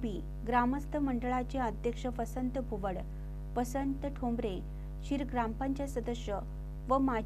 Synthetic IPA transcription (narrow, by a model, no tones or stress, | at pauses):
biː | ɡɾaməst̪əməɳɖəɭat͡ɕeəd̪ʱjəkʂəpəsənt̪bʱuʋəɽ | pəsənt̪ʈʰombɾe | ɕiɾɡɾampãɲt͡ɕjasəd̪əɕjə | ʋəma